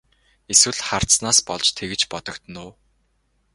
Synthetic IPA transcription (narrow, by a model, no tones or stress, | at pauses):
eswɘ̆ɮχar̥snaːspɔɮt͡ɕt̪ʰeɣɘ̆t͡ɕpɔt̪ɞ̆kt̪ə̆nʊː